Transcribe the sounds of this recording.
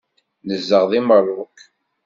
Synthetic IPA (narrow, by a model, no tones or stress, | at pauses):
nəzːəʁðimərˤːʊk